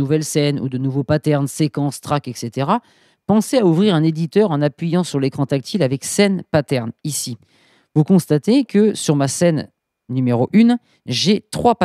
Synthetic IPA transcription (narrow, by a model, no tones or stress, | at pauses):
uvɛlsɛnṵd̪ənuvopat̪ɛʁnsekɑ̃st̪χakɛkset̪eʁa | pɑ̃seauvʁiʁɛ̃ned̪it̪œʁɑ̃napɥijɑ̃syʁlekχɑ̃t̪ak̚t̪ʰilavɛksɛnpat̪ɛʁnisi | vukɔ̃st̪at̪ekʰəsyʁmasɛnː | ymeʁoʔyn | ʒet̪χwap